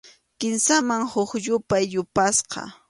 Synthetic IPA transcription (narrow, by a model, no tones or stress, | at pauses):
kɪnsamaŋhʊkʎʊpajʎʊpasqɑ̰